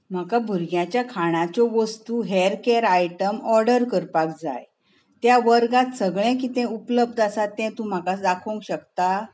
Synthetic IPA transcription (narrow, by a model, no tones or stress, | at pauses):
m̤akabʱuɾɡjãt͡ɕjakʰaɽ̃at͡ɕɔʋəst̪uɦeɛɾkeɾajʈəmɔɾɖəɾkəɾpakd͡za̰j | t̪jaʋəɾɡat̪səɡɭɛ̃kiːt̪ɛ̃upləb̚d̪ʱasat̪ːɛ̃t̪ũm̤akasd̪akʰoŋkɕəkt̪a